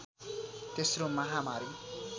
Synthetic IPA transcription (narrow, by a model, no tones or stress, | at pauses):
t̪esromaɦamaɾjo